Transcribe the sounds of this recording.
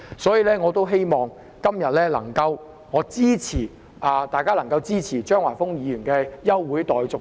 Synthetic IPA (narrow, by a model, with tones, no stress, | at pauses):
sɔː˨˥jiː˨lɛː˥ŋɔː˨˧t̪o˥wɦe˥jmɔː˨ŋ | kɐ˥mjɐ˨t̚lɛː˥lɐ̰˨˩ŋkɐ˧w | ŋɔː˨˧t͡siː˥t͡sʰiː˨˩ | a˨˧t̪aː˨jkaː˥lɐ˨˩ŋkɐ˧wt͡siː˥t͡sʰiː˨˩t͡ʃœː˥ŋwaː˨˩fʊ˥ŋjiː˨˧jyː˨˩nkɛː˧jɐ˥wːuː˨˥jt̪ɔː˨jt͡sʊ˨